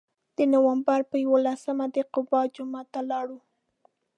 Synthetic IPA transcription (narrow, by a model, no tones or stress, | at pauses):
d̪̥ənowambaɾpəjawolasəmad̪əqʊbɑd͡ʒʊmɑt̪alɑɽu